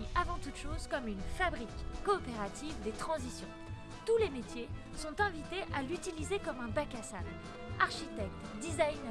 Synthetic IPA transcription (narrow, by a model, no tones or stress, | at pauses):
avɑ̃t̪ut̪ʃozkɔmynfabʁikːɔːpeʁat̪ʰivd̪et̪χɑ̃zisjɔ̃ | t̪ulemet̪je | sɔ̃t̪ɛ̃vit̪eʔalyt̪ilizekɔmɛ̃bakasabl | aʁʃit̪ɛk̚t̪d̪izajn